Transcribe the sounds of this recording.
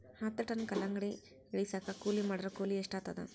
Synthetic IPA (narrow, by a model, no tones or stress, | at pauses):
hat̪ːɐʈɐnkɐlɐŋɡɽi | eɭisakakuːlimɐɽɐɾɐkuːlieʂʈaːt̪ːɐd̪ɐ̰